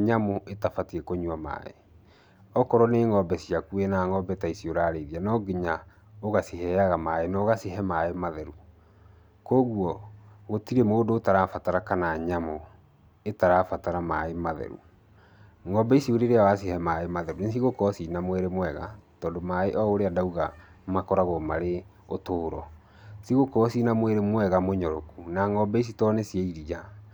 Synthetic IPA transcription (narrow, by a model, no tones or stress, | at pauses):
ɲamoʔetafatiɾɛkoɲwama̰ḛ | ɔkɔɾɔneːŋɔbɛsiakuɛnaŋɔbɛtaisioɾaːɾeðianɔɡeɲa | oɣasihɛaɣamaenaoɣasiɦɛmaemaðɛɾu | koːɣwɔɣotiɾemoːdoːtaɾaːfataɾakanaɲamo | etaɾafataɾamaemaðɛ̰ɾṵ | ŋɔbɛisioɾeɾeawas̬ihɛmaemaðɛɾunes̬iɣokɔsinamwɛɾemwɛɣa̰tɔːndomaeʔɔoɾeadauɣa | makɔɾaɣɔmaɾe | otoːɾɔ̰ | siɣokɔsinamweɾemwɛɣamoɲɔɾokunaŋɔbɛis̬itɔːnesiɛiɾid͡ʒa